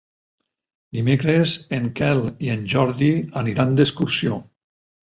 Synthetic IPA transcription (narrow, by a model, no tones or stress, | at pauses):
d̪imekɾezeŋkɛlˠienʲʒɔɾðianiɾand̪eskuɾsio